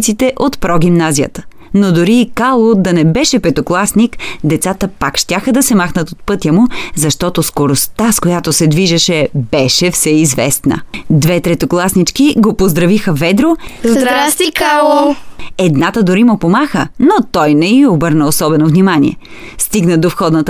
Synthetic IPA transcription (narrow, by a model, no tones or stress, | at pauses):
t̪sit̪ɛʔot̪pɾɔɡ̟imnazijə̰t̪ə̥ | nod̪ʊɾiːkalˠod̪ɐnɛbɛʃɛpɛt̪oklˠasnikd̪ɛt̪sat̪əpakʃt̪ʲaxəd̪ɐsɛmaxnət̪ot̪̚pɤt̪jəmʊzɐʃt̪ɔt̪oskoɾost̪askojat̪osɛd̪viʒɛʃɛbɛʃɛfsɛizvɛ̰st̪nə̰d̪vɛt̪ɾɛt̪oklˠasnit͡ʃkiɡopozd̪ɾɐvixəvɛd̪ɾozd̪akalˠ | ɛd̪nat̪əd̪ʊɾimʊpomaxənot̪ɔjnɛiobɤɾnəosɔbɛnovnimanḭɛ̰ | st̪iɡnəd̪ofxɔd̪nət̪